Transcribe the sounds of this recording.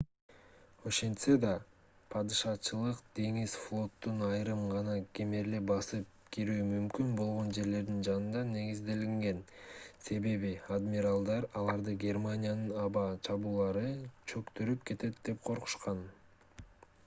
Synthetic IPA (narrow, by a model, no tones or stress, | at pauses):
o̞ʃe̞nt̪sed̪ɑ | pʰɑd̪ɯʃɑt͡ʃɯlˠɯqd̪̥e̞ŋizflˠo̞t̪ːunɑjɾɯmʁɑnɑɡʲemeɾlebɑsɯp̚kʰiɾyːmymkynbo̞lˠʁo̞nd͡ʒe̞ɾle̞ɾd̪ind͡ʒɑnɯnd̪ɑne̞ɡizd̪e̞liŋɡe̞nse̞βe̞βiad̪mʲiɾalˠd̪ɑɾɑlˠɑɾd̪ɯɡʲe̞rmanʲijanɯnɑβɑt͡ʃʰɑβuːlˠɑɾɯt͡ʃʰø̞kt̪øɾypke̞t̪e̞t̪̚d̪e̞pqʰo̞ɾqu̥ʃqɑn